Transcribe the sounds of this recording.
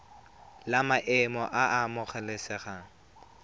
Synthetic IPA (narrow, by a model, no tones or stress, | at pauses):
lamaʔɛmɔʔaʔamʊχɛlesɛχa